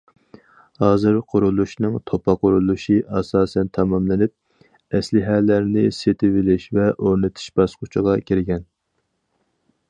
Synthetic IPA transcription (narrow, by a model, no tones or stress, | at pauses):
hɑːzɨɾqʰʊɾulˠuʃnɨŋt̪ʰopʰɑqʊɾulˠuʃiʔɑsɑːsɛnt̪ʰɑmɑmlɪnɪp̚ | ɛslɪɦɛlæɾnɪset̪ʰɪvɪlɪʃvɛʔoɾnɪt̪ʰu̥ʃb̥ɑsqʊt͡ʃʰəʁɑkʲʰiɾɪɡʲɛn